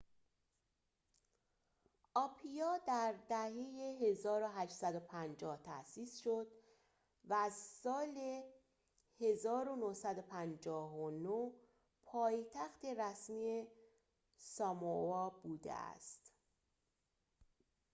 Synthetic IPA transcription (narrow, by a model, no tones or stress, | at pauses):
ʔɒːpʰijɒːd̪æɾd̪æhejeɦe̞zɒːɾo̞ɦæʃsæd̪o̞pʰænd͡ʒɒːht̪ʰæ̰siːsʃo̞d̪ | væːzsɒːle̞ | he̞zɒːɾo̞nohsæd̪o̞pʰænd͡ʒɒːɦono | pʰɒːjt̪ʰæxt̪e̞ɾæsmiːe | sɒːmoɒːbuːd̪ḛæ̰st̪